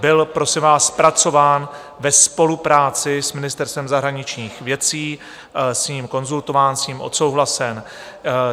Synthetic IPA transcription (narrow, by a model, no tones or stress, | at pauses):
bɪlpɾo̞sɪmvaːspɾat͡so̞vaːn | vɛspo̞lupɾaːt͡sɪsmɪnɪst̪ɛɾst̪vɛmzaɦɾaɲɪt͡ʃɲiːxvjɛt͡siː | sɲiːmko̞nzult̪o̞vaːnsɲiːmʔo̞̰t̪so̞wɦlasɛn